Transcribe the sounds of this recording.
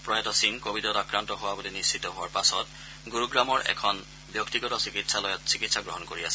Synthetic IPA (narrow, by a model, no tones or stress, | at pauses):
pɹɔjɔtɔsinkobidɔtakɹantɔɦowabolinistitɔɦowaɹpasɔt | ɡuɹuɡɹamɔɹʔɛ̰kʰɔn | bjɔktiɡɔtɔsikitsalɔjɔtsikitsaɡɹɔɦɔnkoɹiasɛ